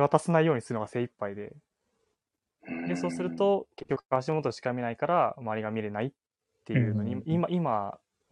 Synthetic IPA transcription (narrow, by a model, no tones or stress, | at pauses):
βat̪asenaijo̞ːɲ̟isɨɾɯnoɡase̞ːipːaid̪e̞ | d̪e̞so̞ːsɨɾɯ̟t̪o̞ke̞kʲːokɯ̟̥akaβaɕ̬imo̞t̪oɕi̥kamʲinaikaɾamaaɾʲiɡamʲiɾe̞naitː | e̞jɯ̟ːno̞ɲ̟iimaʔima